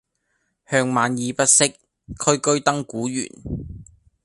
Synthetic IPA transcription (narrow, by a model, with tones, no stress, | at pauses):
hœː˧ŋmaː˨njiː˨˧pɐ˥t̚sɪ˥k̚ʰ | ɵ˥ɥkɵ˥ɥt̪ɐ˥ŋkuː˨˥jy̰ː˨˩n